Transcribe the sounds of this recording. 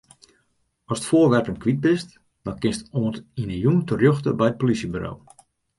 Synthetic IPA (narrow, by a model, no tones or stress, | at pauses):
ɔsə̥tfoːrʋɛrtəmkʋid̚bɪst | d̥ɔnkɪnstoːntinəjumtərjøxtə̰bɛjət̚polisjəbyɾo̰w